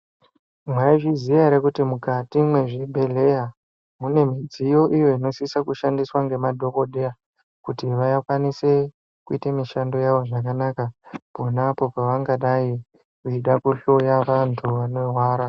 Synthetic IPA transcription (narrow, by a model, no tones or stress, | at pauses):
mwaiʐizijaɾekutimukatimwe̞ʐibʱe̞le̞ja | mune̞mid͡zijo̞ʔijo̞ino̞sisakuʃandiswaŋɡe̞madʱo̞koɗʱea | kutiʋajakwanise̞ | kuitamiʃando̞jaʋo̞ʐakanakapo̞napo̞paʋaŋɡaɗai | kut͡ʃiɗakuɬo̞jaʋantʰuʋanoɦwaːɾa